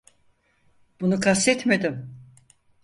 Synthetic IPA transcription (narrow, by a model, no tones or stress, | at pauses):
b̥unukʰast̪ɛt̪me̞d̪ɪm